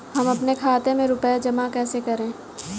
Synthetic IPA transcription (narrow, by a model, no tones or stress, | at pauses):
ɦɐmɐpnekʰaːt̪emẽɾʊpad͡ʒɐmakɛːsekɐɾẽː